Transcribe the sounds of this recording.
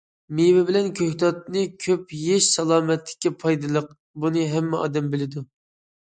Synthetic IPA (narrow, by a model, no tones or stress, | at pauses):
mewɪbɪlɛnkʲʰøht̪ɑt̪nɨkʲʰøpjeʃsɑlˠɑːmɛt̪ʰːɪ̥kʲːɛpʰɑjd̪ɨlˠəq | bunɨɦɛmːɛɑ̰ːd̪ɛmbɪlɪd̪u